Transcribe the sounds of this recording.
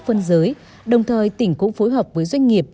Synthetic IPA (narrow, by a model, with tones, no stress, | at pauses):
fə˧nzəː˨˦j | ɗə˨˩wŋ͡mt̪ʰəː˨˩jt̪ï˧˩ŋ̟kʊ̰˧˥ŋ͡mfo˨˦jɦəː˨˩p̚vəː˨˦jzwa˧jŋ̟ŋi˨˩əp̚